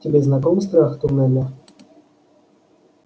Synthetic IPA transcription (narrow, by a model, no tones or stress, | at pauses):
tʲɛbʲɛznakɔmst̪ɾaxt̪ɔmɛnʲa